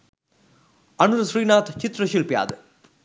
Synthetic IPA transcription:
ɐnɯɾsɾiːnaːt̪t͡ʃɪt̪ːɾɐʃilpɪja̰ːðɯ

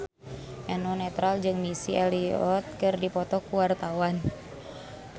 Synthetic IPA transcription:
ʔɛnɔnɛt̪ɾald͡ʒɨŋmisiɛliɔt̪̚kɨrdipɔt̪ɔkuwart̪awan

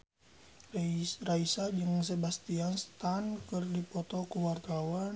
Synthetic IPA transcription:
raisad͡ʒɨŋs̬ebast̪ianst̪ankɨrdipɔt̪ɔkuwart̪awan

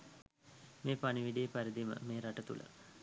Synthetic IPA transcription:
meːpaniʋiɖijepæɾid̪imə̰meːɾaʈət̪ṵlʔə̰

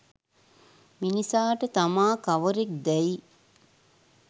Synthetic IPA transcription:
minisaːʈət̪amaːkaʋəɾek̚d̪ɛi

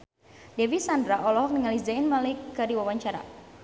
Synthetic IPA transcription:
dɛvisandɾaʔɔlɔɦɔk̚nəŋalizainmalɪkːərdiwawaɲt͡ʃaɾa̰

